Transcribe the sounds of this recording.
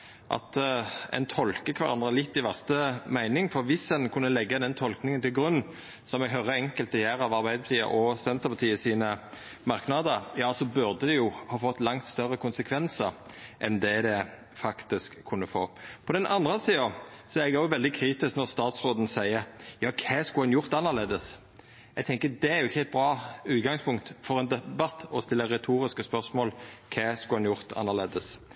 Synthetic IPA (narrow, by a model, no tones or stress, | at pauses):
ʔɑ̰t̪ɛ̰nt̪ʰɔlkəkʰʋɑʁɑ̰nd̪ʁəlɪt̪ːɪʋæʁst̪əmæɪnɪŋfɔɾʋɪsɛnkʰʉnːəlɛɡːəd̪ɛnt̪ʰɔlknɪŋənt̪ɪlɡʁʉnːn̩ | sɔmɛɡɦœʁəɛŋkəlt̪ɔjæːɾɑʋɑʁbæɪpɑt̪ʰiːə̰ʔɔsɛnt̪əʁpʰɑt̪ʰiːəsiːnə | mɑʁknɑd̪əɾjɑːsɔbʉʁd̪əd̪ɛjʊhɑːfɔt̪ːlɑŋt̪st̪œʁəkʰʊnsəkʰʋɛnsəɾʔɛnd̪ɛd̪ɛ | fɑkt̪ɪskʰːʊnːəfo̰ːpʰɔd̪ɛnʔɑnd̪ʁəsiːɑsɔæɾɛɡæjʊʋɛld̪ɪkʰɾiːt̪ɪsknɔʁst̪ɑːt̪sʁoːd̪n̩sæɪəɾjɑːkʰæskʊhɑnjʊʁt̪ɑnːəʁleːd̪əs | ɛɡ̚t̪ʰɛŋkəd̪ɛæɾjʊɪçːəæɪt̪̚bɾɑːʉːt̪ɡɑŋspʊŋkt̪fɔʁɛnd̪ɛbɑt̪ːɔst̪ɪlːəʁɛt̪ʰuːɾɪskəspœʁsmoːlkʰæːskʊɑnjʊʁt̪ʰɑ̰nːəʁleːd̪əs